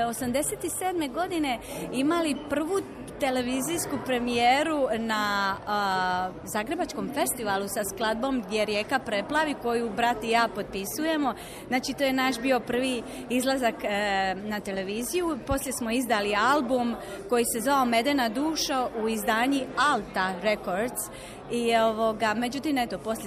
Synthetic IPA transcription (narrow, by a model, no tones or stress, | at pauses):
o̞samd̪e̞set̪iseːd̪me̞ɡo̞d̪ine̞ | imalipr̩ʋu | t̪e̞le̞ʋiziːskupɾe̞mijeːɾuna | zaːɡɾe̞bat͡ʃko̞mfe̞st̪iʋalˠusasklˠad̪̚bo̞ːmɡd̪je̞ɾje̞ːkapɾe̞plaʋiko̞jubɾat̪ijaːpo̞d̪̚pisuje̞mo̞ | znaːt͡ʃit̪oːje̞naʃbio̞pr̩ʋi | izlˠazaknat̪e̞le̞ʋiːzijupo̞slje̞smo̞izd̪alialbum | ko̞jise̞zʋaome̞d̪enad̪uːʃauizd̪aːɲialt̪aɾe̞ko̞ɾd̪s | io̞ʋo̞ɡame̞d͡ʒut̪iːmet̪o̞po̞slʲe